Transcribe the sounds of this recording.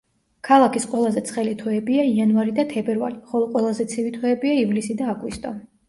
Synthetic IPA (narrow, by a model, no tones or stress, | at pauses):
kʰalˠakʰisqʼwɛlˠazɛt̪sʰχɛlit̪ʰɔɛbiaianvaɾid̪at̪ʰɛbɛɾva̰liχɔlˠɔqʼwɛlˠazɛt̪sʰivit̪ʰɔɛbiaivlisid̪aːɡwist̪ʼɔ